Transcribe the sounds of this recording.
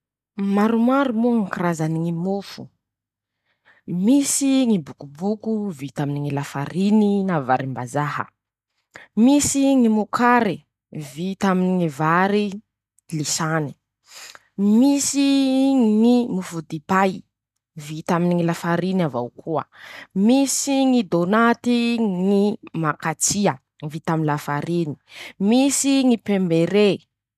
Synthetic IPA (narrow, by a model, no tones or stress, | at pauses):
maɾumaɾumuŋikiɾazaniŋimufṵ | misiŋibukubukuvit̪aminiŋilafaɾininavaɾimbazahə̰ | misiŋimukʰaɾi | vit̪aminiŋivaɾi | lisani̥ | misiŋimufud̪ipaj | vit̪aminiŋilafaɾinavawkʰuə̰misiŋid̪onat̪iŋimakat͡siə | ŋvit̪aminlafaɾini̥misiŋipembeɾe